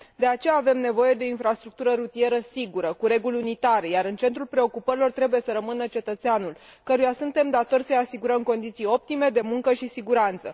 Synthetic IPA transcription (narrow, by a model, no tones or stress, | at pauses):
d̪e̞at͡ʃe̞jaːve̞mne̞vo̞je̞d̪eo̞infɾast̪ɾuk̚t̪uɾəɾut̪ije̞ɾəsiɡuɾəkuɾe̞ɡulʲunit̪aɾejaɾɨnt͡ʃe̞nt̪ɾulpɾe̞o̞kupəɾilo̞rt̪ɾe̞buje̞səɾəmɨnət͡ʃe̞t̪ət̪seanulkəɾujasunt̪e̞md̪at̪o̞rʲsəjasiɡuɾəmko̞nd̪it̪sijo̞p̚t̪ime̞d̪e̞muŋkəʃisiɡuɾant̪sə̰